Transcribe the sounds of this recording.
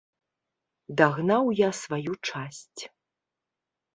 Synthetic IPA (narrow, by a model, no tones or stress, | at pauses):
d̪aɣnawjasvajut͡ʂasʲt͡sʲ